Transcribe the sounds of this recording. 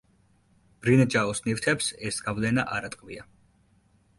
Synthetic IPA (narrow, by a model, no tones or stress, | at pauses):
b̥ɾinad͡ʒaɔsnift̪ʰɛpsɛsɡ̥avlɛnaʔaɾat̪ʼqʼvḭa